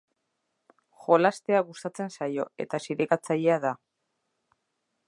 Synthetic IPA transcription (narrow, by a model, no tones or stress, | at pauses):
xo̞last̪e̞aɣust̪at͡se̞nsajo̞e̞̰t̪asiɾeɣat͡saʎe̞aða